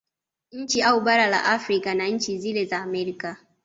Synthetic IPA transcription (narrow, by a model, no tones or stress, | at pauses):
ʔɪnt͡ʃiʔawubɐɾala̰ʔafɾikanaɪnt͡ʃizilezaamɛɾka